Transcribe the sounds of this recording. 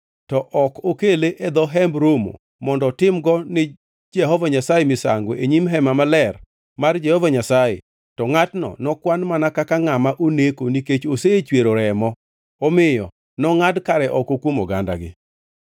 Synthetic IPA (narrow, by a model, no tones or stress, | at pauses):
tɔʔɔkokeleʔed̪ɔɦɛmbɾomo̰ | mɔndɔtɪmɡɔnɪ | d͡ʒɛɦɔvaɲasajemɪsa̰ŋɡoʔeɲimɦɛmamalɛr | mard͡ʒɛhɔvaɲasajḛ | tɔŋatnɔ̰nɔkwanmanakakaŋamaʔonekoniket͡ʃoset͡ʃweɾoɾɛmɔ | ɔmɪjɔ | nɔŋadkaɾɛʔɔkokwomɔɡa̰nda̰ɡɪ̰